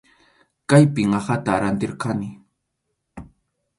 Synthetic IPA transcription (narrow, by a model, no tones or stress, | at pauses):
kajpɪŋɑχat̪aɾant̪ɪɾqanɪ